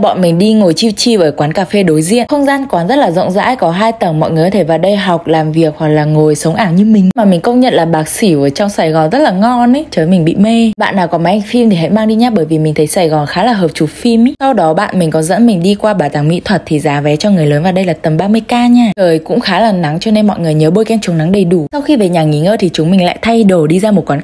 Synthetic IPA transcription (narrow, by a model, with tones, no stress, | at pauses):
ɓɔ̰˧˨nmï˨˩ŋ̟ɗi˧ŋo˨˩jt͡ɕi˧wt͡ɕi˧vəː˨˦jkwaː˨˦nkaː˨˩fe˧ɗo˨˦jzḭ˧˨ənxə˧wŋ͡mzaː˧nkwaː˨˦nzə˦˥t̚laː˨˩zə̰˧˨ŋ͡mza̰ː˧˥jkɔ˨˦ɦaː˧jt̪ə˧˩ŋmɔ̰˧˨jŋɨ˨˩ə˨jt̪ʰe˧˩vaː˨˩ɗə˧jɦɔ˨˩wk͡p̚laː˨˩mvi˨˩ək̚hwa˨˩k̚laː˨˩ŋo˨˩jsə˨˦wŋ͡mʔaː˧˩ŋɲɨ˧mï˨˩ŋ̟maː˨˩mï˨˩ŋ̟kə˧wŋ͡mɲə̰˧˨nlaː˨˩ɓaː˨˦k̚si˧˩vəː˨˦jt͡ɕɔ˧wŋ͡msaː˧˩jɣɔ˨˩nzə˦˥t̚laː˨˩ŋɔ˧n˨˦t͡ɕəː˨˦jmï˨˩ŋ̟ɓḭ˧˨me˧ɓa̰ː˧˨nːaː˨˩wkɔ˨˦ma˨˦ʔa˧ŋ̟fi˧mt̪ʰi˨˩a̰˧˥jmaː˧ŋɗi˧ɲaː˦˧˥ɓəː˧˩jvi˨˩mi˨˩ŋt̪ʰə˨˦jsaː˧˩jɣɔ˨˩nxaː˨˦laː˨˩ɦəː˨˩p̚t͡ɕu˨˩fi˧m˦sa˧wɗɔ˨˦ɓa̰ː˧˨nmï˨˩ŋ̟kɔ˨˦nzə̰˧˥nmï˨˩ŋ̟ɗi˧kwaː˧ɓaː˨˩t̪aː˨˩ŋmḭ˧˥t̪ʰwə˨˩t̚t̪ʰi˨˩zaː˨˦vɛ˨˦t͡ɕɔ˧ŋɨ˨˩əjləː˨˦nvaː˨˩ɗə˧jlaː˨˩t̪ə˨˩mɓaː˧mɨ˧əjkaː˧ɲaː˧˩təː˨˩jkʊ̰˧˥ŋ͡mxaː˨˦laː˨˩na˨˦ŋt͡ɕɔ˧ne˧nmɔ̰˧˨jŋɨ˨˩əjɲəː˨˦ɓo˧jkɛ˧nt͡ɕu˨˦ŋna˨˦ŋɗə˨˩jɗu˧˩sa˧wxi˧ve˨˩ɲaː˨˩ŋi˨˦ŋəː˧t̪ʰi˨˩t͡ɕʊ˨˦ŋ͡mmï˨˩ŋ̟la̰ː˧˨jt̪ʰa˧jɗo˨˩jɗi˧zaː˧mo˨˩t̚kwaː˨˦